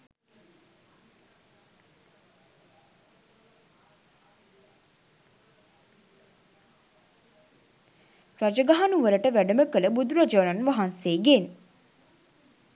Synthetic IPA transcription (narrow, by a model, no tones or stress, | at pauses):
ɾad͡ʒəɡaɦanuʋəɾəʈəʋæɖəməkələbud̪uɾad͡ʒəʋɾanʋaɦanseːɡen